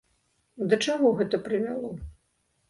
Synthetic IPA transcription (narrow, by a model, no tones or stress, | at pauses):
d̪ɐt͡ʂaɣɔɣɛt̪ɐpɾɨvʲalˠɔ